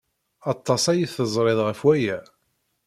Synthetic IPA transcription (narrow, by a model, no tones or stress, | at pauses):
ɑt̪ˤːɑsæjiθəzˤɾˤeðˤʁəfwæjæ